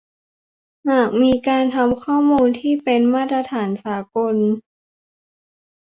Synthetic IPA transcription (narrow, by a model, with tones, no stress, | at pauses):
haː˨˩k̚miː˧kaː˧nt̪ʰa˧mkʰɔː˥˩muː˧nt̪ʰiː˥˩pe˧nmaː˥˩t̪ɾa˧t̪ʰaː˩˦nsaː˩˦ko˧n